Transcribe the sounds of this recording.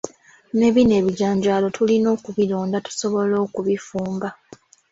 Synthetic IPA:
ne̞βine̞ːβiɟaːɲɟaːlo̞tʰulino̞ːkuβiloːndatu̥so̞βo̞lo̞ːkuβifuːmba

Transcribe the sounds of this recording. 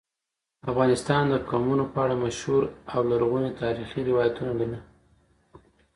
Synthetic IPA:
afɣɑnɪst̪ɑnd̪əkɑmunopəaɽamaʃhuɾawlaɾɣunet̪ʰɑɾixiɾɪwɑjat̪unabina

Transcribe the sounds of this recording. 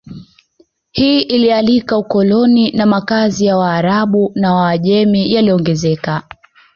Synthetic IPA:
hiːʔilialikaukɔlɔninamakazijawaːɾaɓunawaːʄɛmijaliɔŋɡɛzɛka

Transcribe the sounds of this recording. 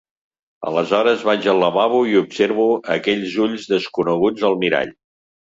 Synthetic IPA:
ə̰ləzɔɾəzβad͡ʒələβaβuiupseɾβuəkɛʎzuʎzðəskunəɣud͡zəlˠmiɾa̰ʎ

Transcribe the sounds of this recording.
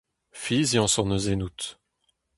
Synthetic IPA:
fizjɑ̃sɔʁnəzenut̪

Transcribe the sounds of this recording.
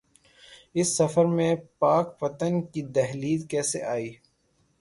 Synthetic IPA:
ɪsːɐfəɾmẽpaːkpɐt̪ənkid̪ɛɦliːd̪kɛːseʔaːiː

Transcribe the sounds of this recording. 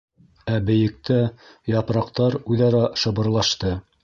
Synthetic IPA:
æbɘ̆jɘ̆k̚t̪æjɑpɾɑqt̪ɑɾʉðɑɾɑʃɤ̆bɤ̆ɾlˠɑʃt̪ɤ

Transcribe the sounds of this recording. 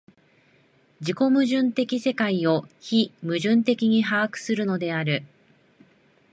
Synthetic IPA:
d͡ʑiko̞mɯ̟ʑɨ̃nt̪e̞kʲise̞kaio̞çimɯ̟ʑɨ̃nt̪e̞kʲiɲ̟iɦaːkɯ̟̥sɨɾɯ̟no̞d̪e̞aɾɯ̟

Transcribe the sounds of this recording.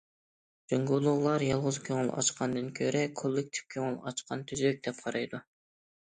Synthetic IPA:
d͡ʒoŋɡolˠʊʁlˠɑɾjɑlˠʁʊzkʲʰøŋylˠɑ̰t͡ʃqɑnd̪ɨŋkʲʰøɾɛkʰolˠːek̚t̪ʰi̥fkʲʰøŋylˠɑ̰t͡ʃqɑ̰nt̪ʰyzøk̚ʲd̪̥ɛp̚qʰɑɾɑjd̪u

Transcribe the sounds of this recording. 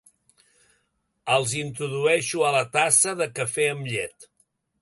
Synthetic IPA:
əlˠzint̪ɾuðuɛʃuələt̪asəðəkəfeəmʎɛt̪

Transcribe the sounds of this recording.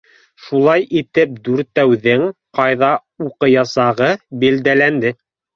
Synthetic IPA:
ʃulˠɑjʔit̪ɘp̚d̪ʉɾt̪æwðɘŋqɑjðɑ | uqɤjɑsɑʁɤbild̪ælænd̪ɘ

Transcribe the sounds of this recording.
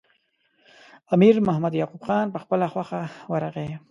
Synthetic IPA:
amiɾmʊhamad̪jɑqubxɑnpəxpəlaxwaxawaɾaɣe

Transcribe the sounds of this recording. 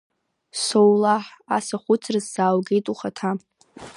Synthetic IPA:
sowlaħa̰saχʷʊt͡sʰrɨzzaːwɡe̞jtʼuχatʰa

